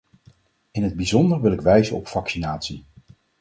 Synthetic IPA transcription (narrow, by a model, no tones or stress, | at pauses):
ɪnɦəd̚bizɔndəɹʋɪlɪkʋɛjzənɔpfɑksinaːtsi